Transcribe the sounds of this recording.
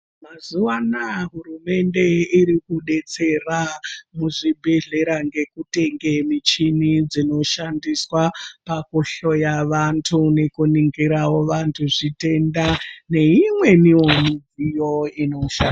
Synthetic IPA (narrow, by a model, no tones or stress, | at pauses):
mazuʋanaɦurume̞nde̞iɾikuɗe̞t͡se̞ramuʐibʱeɮe̞ɾaŋɡe̞kute̞ŋɡe̞mit͡ʃinid͡zino̞ʃandiswapakuɬo̞jaʋantʰune̞kuniŋɡiɾawo̞ʋantʰuʐite̞ndane̞imwe̞niwomid͡zijo̞inouʃan